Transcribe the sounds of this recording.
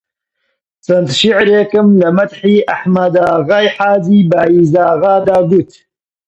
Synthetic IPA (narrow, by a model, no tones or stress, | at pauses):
sɐnt̪ʃiʕɾeːkɨmlɐmɐt̪ħiːʔaħmad̪aːɣaːjħaːziːbaːiːzaːɣaːd̪aːɡut̪